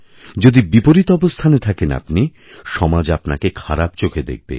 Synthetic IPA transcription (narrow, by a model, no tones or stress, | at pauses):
d͡ʑod̪ibipoɾit̪oɔbost̪ʰanet̪ʰakena̰pni | ʃɔmad͡ʑapna̰kekʰaɾapt͡ɕokʰed̪ḛk̚bḛ